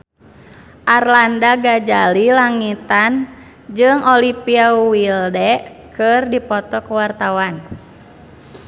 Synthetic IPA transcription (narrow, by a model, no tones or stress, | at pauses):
ʔarlandaɡad͡ʒalilaŋit̪an | d͡ʒɨŋɔlipiawildɛʔ | kɨrdipɔt̪ɔkəwart̪awan